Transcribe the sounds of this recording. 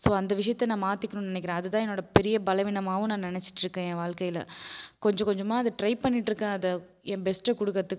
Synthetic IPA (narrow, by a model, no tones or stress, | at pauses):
soːɐnd̪ɐʋɪʂɐjɐt̪ːɐnãːmaːt̪ːɪkːɐɳʊ̃nɪnɛkːɪɾẽːɐðɐt̪ːãːɛnːoːɽɐpɛɾɪjɐbɐlɐʋɪnɐmaːʋʊ̃nãːnɪnɛt͡ʃːɪ̥ʈːɾɯkːẽːẽːʋaːɭkɐjɪlɐ̰kɔɲd͡ʒɔ̃kɔɲd͡ʒɔmːaːɐðɯʈɾɐɪpɐɳːɪʈːɾɯkːẽːɐðɐ | ɛ̃ːbɛsʈɐkʊɽɯkːɐɐt̪ːɯkː